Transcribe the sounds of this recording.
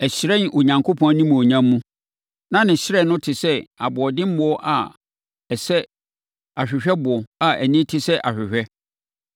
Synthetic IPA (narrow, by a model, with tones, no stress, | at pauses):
ɛ˨ɕɪ˨ɾɛ˦n˨ʔo˨ɲã˨ŋkʰo˦pʰɔ̃˦nĩ˦mũ˨o˨ɲã˦mː˦ũ˦ | nã˦nɪ̃˨ɕɪ˦ɾɛ˦˨nʊ̃˦tʰɪ˨sɛ˦a˨bʊ˨ɔ˨dɪ̃˦m̩˦mʊ˨˦ɔ˦ʔa˨ | ɛ˨sɛ˦ | a˨ɕᶣɪ˨ɕᶣɛ˦bʊ˨ɔ˨a˨ʔæ˨nĩ˦tʰɪ˦sɛ˦ʔa˨ɕᶣɪ˨ɕᶣɛ˦